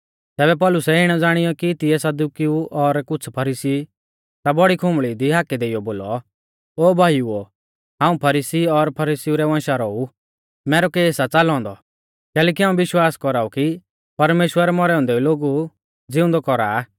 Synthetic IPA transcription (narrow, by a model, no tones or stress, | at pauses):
t̪ɛːβɛp̬ɔːlʊsɛɪɽ̃ɔd͡zaːɽ̃ɪjɔkit̪iɛsɐd̪ukiuʔɔɾkʊt͡sʰpʰɐɾisi | t̪abɔɽikʰʊmɭid̪iɦaːkɛd̪eːijɔboːlɔ | oːbʱaːjuo | ɦãːũpʰɐɾisiɔɾpʰɐɾisiuɾɛʋãːʃaɾɔu | mɛːɾɔkeːsat͡salɔ̃ːnd̪ɔ | kɛːlɛːk̬iɦãːũbɪʃwaːskɔɾaːuki | pɐɾmeːʃwəɾɛmɔɾɛɔ̃ːnd̪ɛuloːɡu | d͡zɪʊ̃nd̪ɔkɔɾa